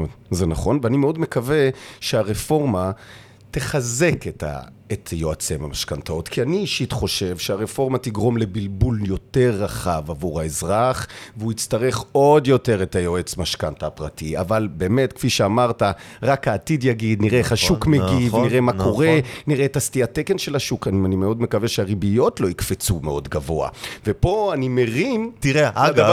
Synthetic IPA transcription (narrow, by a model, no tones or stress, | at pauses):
zenaχo̞nveanimeo̞d̪me̞kaveʃeaʁefo̞ʁma | t̪e̞χaze̞keta̰ | et̪jo̞at͡sema̰maʃkantao̞t̪kʰianiːʃit̪χo̞ʃe̞vʃeaʁefo̞ʁmatiɡʁo̞mle̞bilbuljo̞te̞ʁːaχavavuʁaezʁaχveuit͡staʁe̞χo̞djo̞te̞ʁetajo̞et͡smaʃkantapʁatia̰valbe̞ːmetkfiʃeamaʁtaʁakaːtid̪jaɡid̪niʁeeχhaʃukmeɡiviʁemako̞ʁeniʁeːtastiatekenʃelaʃukanianimeo̞dme̞kaveʃeaʁibijo̞tlo̞ikfet͡sume̞o̞dɡavo̞a̰ve̞po̞anime̞ʁimtieaa